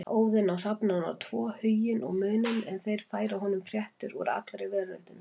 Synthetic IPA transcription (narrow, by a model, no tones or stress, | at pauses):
oːwðɪnawr̥apnana̰wt̪ʰv̥ɔːhʏjɪnʔɔ̰ɣmʏːnʏnɛnθejɾ̥faːjɾaɦɔnʏmfɾjɛht̪ʏɾṵɾa̰t̪lɾɪvɛðlœɥht̪ɪn